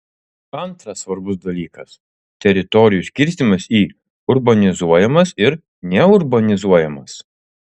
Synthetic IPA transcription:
ɐnˑt̪ɾɐsːʋɐɾbʊsd̪ɐlʲiːkɐs | t̪ʲɛɾʲɪt̪ɔɾʲɪjusʲkʲɪɾʲsʲt̪ʲɪmɐsiː | ʊɾbɐnʲɪzuɔjɛmɐsɪɾ | nʲɛʊɾbɐnʲɪzuɔjɛmɐs

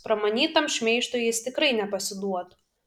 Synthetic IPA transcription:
pɾɐmɐnʲiːt̪ɐmʃʲmʲɛɪʃt̪ojɪst̪ʲɪkɾɐɪnʲɛpɐsʲɪd̪uɔt̪

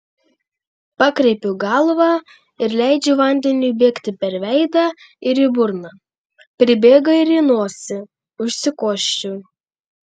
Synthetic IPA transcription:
pɑːkɾʲɛɪpʲʊɡɑlˠʋɑ | ɪɾlʲæɪd͡ʒʲɛʋɐnʲd̪ʲɛnʲuːbʲeːkt̪ʲɪpʲɛɾʋʲɛɪd̪ɑ | ɪɾɪbʊɾnɐ | pʲɾʲɪbʲeːɡɐɪɾɪnoːsʲɪ | ʊʃʲsʲɪkoːʃʲt͡ʃʲu

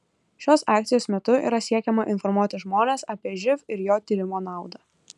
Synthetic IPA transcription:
ʃʲoːsɑːk̚t̪sʲɪjoːsmʲɛt̪ʊḭːɾɐsʲiɛkʲɛmɐʔɪnfɔɾmuɔt̪ʲɪʒmoːnʲeːsɐpʲiɛʒʲɪfɪɾjoːt̪ʲiːɾʲɪmoːnɑˑʊd̪ɑː

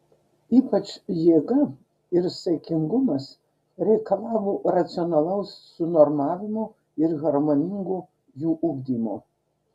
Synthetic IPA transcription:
iːpɐt͡ʃjeːɡɐ | ɪɾsʲɛkʲɪŋɡʊmɐs | ɾʲɛɪkɐlˠɑːʋoːɾɐt̪sʲɪɔnɐlˠɐʊsːʊnɔɾmɑːʋʲɪmoː | ɪɾɣɐɾmoːnʲɪŋɡoː | juːʔʊɡd̪ʲiːmo̰ː

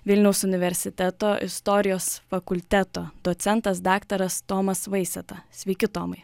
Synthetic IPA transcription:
ʋʲɪlʲnʲɛʊsʊnʲɪʋʲɛɾʲsʲɪt̪ʲæt̪oːʔɪ̰st̪ɔɾʲɪjoːsfɐkʊlʲt̪ʲæt̪oːd̪oːt̪sʲɛnt̪ɐs̬d̪ɑːkt̪ɐɾɐst̪oːmɐsʋɐɪsʲɛt̪ɐsʲʋʲɛːkʲɪt̪oːmɐɪ

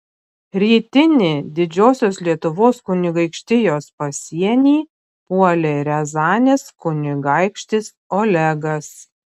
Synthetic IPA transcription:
ɾʲiːt̪ʲɪnʲɪd̪ʲɪd͡ʒʲoːsʲoːslʲiɛt̪ʊʋoːskʊnʲɪɡɐɪkʃʲt̪ʲɪjoːspɐsʲiɛnʲiː | puɔlʲeɾʲɛzɑːnʲeːskʊnʲɪɡɐɪkʃʲt̪ʲɪs | oːlʲɛɡɐs

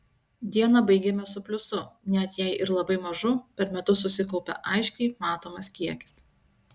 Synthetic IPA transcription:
d̪ʲiɛnɐbɐɪɡʲɛmʲɛsʊpʲlʲʊsʊnʲɛt̪jɛɪʔɪɾlˠɐbɐɪmɐʒʊpʲɛɾmʲɛt̪ʊs̬ʊsʲɪkɒʊpʲɛ̰ʔɐɪʃʲkʲɛɪmɑːt̪oːmɐskʲiɛkʲɪ̥s

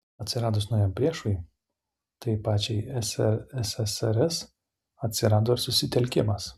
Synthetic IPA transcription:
ɐt̪ʲsʲɪɾɑːd̪ʊsnoʊjɛmpʲɾʲiɛʃʊj | t̪ɐɪpɑːt͡ʃʲɛɪɛsɛɾɛsɛsɛɾɛs | ɐt̪ʲsʲɪɾɑːd̪oːɪɾsʊsʲɪt̪ʲɛlʲkʲɪmɐs

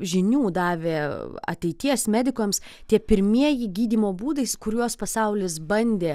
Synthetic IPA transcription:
ʒʲɪnʲuːd̪ɑːʋʲeːɐ̰t̪ʲɛɪt̪ʲiɛsmʲæːd̪ʲɪkomst̪ʲiɛpʲɪɾʲmʲiɛjɪɡʲiːd̪ʲiːmoːbuːd̪ɐɪskʊɾjuɔspɐsɐʊlʲɪsbɐnʲd̪ʲeː

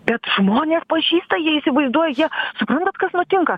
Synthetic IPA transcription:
bʲɛt̪ʒmoːnʲeːspɐʒʲiːst̪ɐjiɛisʲɪʋɐɪzd̪uɔjɛjiɛsʊpɾɐnt̪ɐt̪kɐsnʊt̪ʲɪŋkɐ

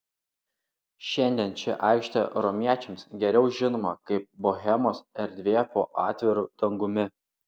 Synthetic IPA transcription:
ʃʲɛnʲd̪ʲiɛnt͡ʃʲɛ̰ʔɑˑɪkʃʲt̪ʲɛɾɔmʲiɛt͡ʃʲɛmsɡʲɛɾʲɛʊʒʲɪnoːmɐkɐɪp̚boɣʲɛmoːsɛɾʲd̪ʲʋʲeːpoːʔɑːt̪ʲʋʲɪɾud̪̥ɐŋɡʊmʲɪ

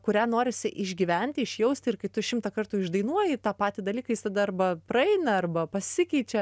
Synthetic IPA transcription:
kʊɾʲæːnoːɾʲɪsʲɪʔɪʒʲɡʲiːʋʲɛnʲt̪ʲɪɪʃʲjɛʊsʲt̪ʲɪɪrkɐɪt̪ʊʃʲɪmt̪ɐkɐrt̪uːɪʒd̪ɐɪnuɔjɪt̪ɑːpɑːt̪ʲɪd̪ɐlʲiːkɐjɪst̪ɐd̪ɐɐrbɐpɾɐɛɪnɐɐrbɐpɐsʲɪkʲɛɪt͡ʃʲɛ

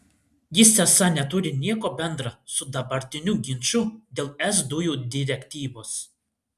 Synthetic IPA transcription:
jɪsʲɛsɐnʲɛt̪ʊɾʲɪnʲiɛkoːbʲɛnd̪ɾɑsʊd̪ɐbɐɾʲt̪ʲɪnʲuːɡʲɪnʲt͡ʃʊd̪ʲeːlˠɛzd̪ʊjuːd̪ʲɪɾʲɛkʲt̪ʲiːʋoːs

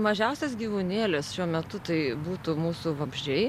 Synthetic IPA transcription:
mɐʒʲɛʊsʲɛs̬ɡʲiːʋuːnʲeːlʲesʃʲuɔmʲɛt̪ʊt̪ɐɪbuːt̪uːmuːsuʋɐbʲʒʲd͡ʒʲɛɪ

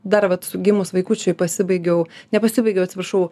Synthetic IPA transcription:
d̪ɐrʋɐt̪sʊɡʲɪmʊsʋɐɪkuːt͡ʃʲʊjpɐsʲɪbɐɪɡʲɛʊnʲɛpɐsʲɪbɐɪɡʲɛʊɐt̪sʲɪprɾɐʃɐʊ

